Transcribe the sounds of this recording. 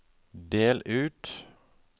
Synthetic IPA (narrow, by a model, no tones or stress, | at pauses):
d̪eːlʔʉːt̪